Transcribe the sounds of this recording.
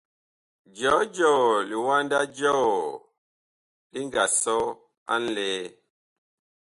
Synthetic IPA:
d͡ʒɔ˨˦d͡ʒɔ˦˨li˨wa˦nda˦d͡ʒɔ˦˨ | li˦ŋ˦ɡa˨sɔ˦ | a̰˦n̩˦lɛː˦

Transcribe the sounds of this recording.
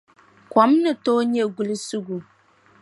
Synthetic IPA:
kɔ˨˦mnɨ˨toː˦ɲɛ˦ɡu˨lɨ˦su˦ɡu˨

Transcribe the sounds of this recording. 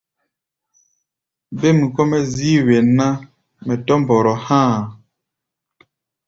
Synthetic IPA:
be˦mi˨kɔ˦mɛ˦ziː˦we˨na˦ | mɛ˨tɔ˦m˨bɔ˨ɾɔ˨hãː˦˨

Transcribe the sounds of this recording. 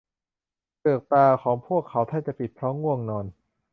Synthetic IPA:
pɤː˨˩k̚p̪aː˧kʰɔː˩˦ŋpʰu˥˩əkʰːa˩˦wt̪ʰa˥˩t͡ɕa˨˩pi˨˩t̪̚pʰɾɔː˦˥ŋːu˥˩əŋnɔː˧n

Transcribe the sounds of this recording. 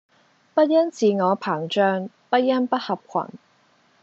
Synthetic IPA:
pɐ˥t̚jɐ˥nt͡siː˨˧ŋɔː˨˧pʰaː˨˩ŋt͡ʃœː˧ŋ | pɐ˥t̚jɐ˥npɐ˥t̚hɐ˨p̚kʰɐ̰˨˩n

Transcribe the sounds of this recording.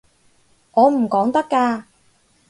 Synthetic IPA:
ŋɔː˨˧m̩˨˩kɔː˨˥ŋt̪ɐ˥kːaː˧

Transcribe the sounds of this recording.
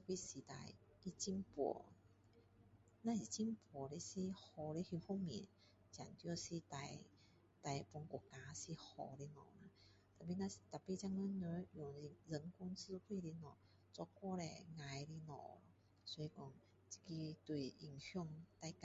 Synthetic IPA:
t̪a˨˩pi˧˥si˨t̪a̰˧˩j | ki˧t͡ɕi˧˨ŋpɔ̰˨˩˦ | nã˧si˨˩t͡ɕi˧˥˨mpɔ˨˩le˧si˧˩hɔ˧˩le˧˦hi˧hɔ˥˨ŋmi˨˦n | t͡ɕa̰˨˩nt̪jsi˧t̪a˧j | t̪a˧˩jpɔ˧ŋkɔ˨˧˩ka˧si˧hɔ̰˧˩li˧nɔ̰̃˨˩la˧˦ | t̪a˨˩pi˧˨nã˧si˨t̪a˨˩pi˧˨t͡ɕa˧ŋnə˧˥nə˧˦jɔ˨˩i˧zə˨˦ŋku˧˦nsɨ˧u˧t̪we˥˧li˧nɔ˨˩ | t͡sɔ˧kwɔ˥˧lḛ˧ŋa˧jli˧nɔ̰̃˨˩lɔ˧˦ | swɔ˧i˧kɔ˧ŋ | t͡ɕi̥˧ki˧t̪wi˨˩ʔi˧˩ŋsjɔ˧ŋt̪a˧jk

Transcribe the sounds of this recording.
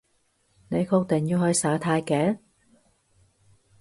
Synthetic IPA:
ne˨˧jkʰo˧k̚t̪ɪ˨˩ŋjiː˧hɵ˧jsaː˨˥t̪ʰaː˧jkɛː˨˥

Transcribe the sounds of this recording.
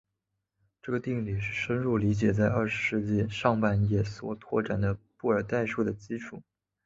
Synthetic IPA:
ʈ͡ʂɤ˥˩ɡə˩t̪i˥˧ŋli˨˩ʂɻ̩˥˩ʂə˥nɻu˥˩li˧˥t͡ɕjɛ˨˩t͡sa˥˧ɪɐ˞˥˩ʂɻ̩˧˥ʂɻ̩˥˧t͡ɕi˥˧ʂɑ˥˧ŋpa˥˩njɛ˨˩swɔ̰˨˩t̪ʰwɔ̰˥˩ʈ͡ʂa˨˩nd̪ə˦pu˥˩ə˞˨˩t̪a˥˧ɪʂu˥˩d̪ə˩t͡ɕi˥ʈ͡ʂʰu˨˩˦

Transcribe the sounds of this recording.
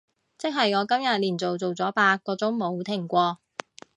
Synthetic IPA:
t͡sɪ˥k̚ɦɐ˨jŋɔː˨˧kɐ˥mjɐ˨t̚liː˨˩nt͡so˨wt͡so˨wt͡sɔː˨˥paː˧kːɔː˨˥t͡sʊ˨˥ŋmo˨˥wt̪ʰɪ˨˩ŋkʷɔː˧

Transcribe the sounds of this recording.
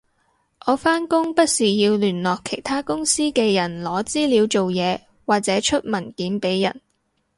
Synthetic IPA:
ʔɔː˨˧faː˥nkʊ˥ŋpɐ˥t̚siː˨jiː˧wlyː˨˩nlɔː˨kʰe˨˩jt̪ʰaː˥kʊ˥ŋsiː˥kɛː˧jɐ˨˩nlɔː˨˥t͡siː˥liː˨˧˥wt͡so˨wjɛː˨˧ | waː˨k̚t͡sɛː˨˥t͡ʃʰɵ˥t̚mɐ˨˩nkiː˨˥npe˨˥jːɐ̰˨˩n

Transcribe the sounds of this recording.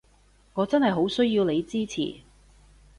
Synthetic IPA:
ŋɔː˨˧t͡sɐ˥nɦɐ˨˩jɦo˨˥wsɵ˥ɥjiː˧wle˨˧jt͡siː˥t͡sʰḭː˨˩

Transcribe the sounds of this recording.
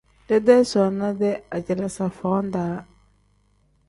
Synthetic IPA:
dɛ˦dɛ˦sɔ˨na˦dɛ˦a˨d͡ʒɪ˨la˨sa˨fɔː˨˦n˦daː˨˦

